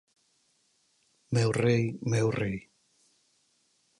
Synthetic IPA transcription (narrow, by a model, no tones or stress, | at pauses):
mɛwrejmɛwrej